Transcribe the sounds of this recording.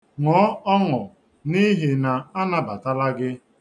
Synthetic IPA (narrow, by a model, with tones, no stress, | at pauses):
ŋɔː˨˦ɔ˦ŋʊ˨ | ni˦ɦi˨na˨a˦na˦ba˨ta˦la˦ɡɪ˦